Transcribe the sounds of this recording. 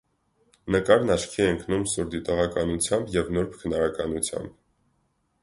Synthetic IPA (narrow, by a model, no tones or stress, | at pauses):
nəkɑɾnɑʃkʰiɛəŋkʰnumsuɾd̪it̪ɔʁɑkɑnut͡sʰjɑmbjɛvnuɾpʰkʰənɑɾɑkɑnut͡sʰjɑ̰mb